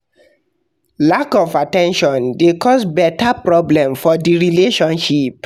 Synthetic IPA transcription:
lakɔfatɛ̃nʃɔ̃ndekɔsbɛtapɹɔblɛ̃mfɔdiɹileʃɔ̃nʃip̚

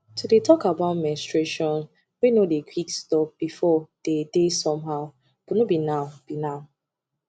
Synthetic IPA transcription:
tudetʰɔkabãʊ̃nmɛ̃nstɹeʃɔ̃n | winodekʰwikstɔp̚b̥ifɔd̥edesɔ̃mɦaʊ | b̥unubinãʊb̥inãʊ

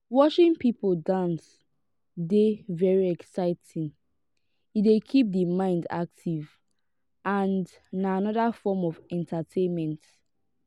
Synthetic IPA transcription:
wɔʃĩnpipoldãns | devɛɹiɛksaɪtʰĩŋ | idekʰip̚dimãɪ̃nda̰k̚tʰiv | ʔãn | naanɔðafɔmɔvɛ̃ntatʰẽnmɛ̃nt

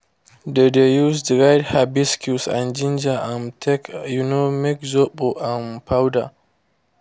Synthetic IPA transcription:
dedejusdɹajthabiskʰusã̰nd͡ʒɪ̃nd͡ʒaʔãntʰɛkjunomɛkzoɓoʔãnpʰawda̰

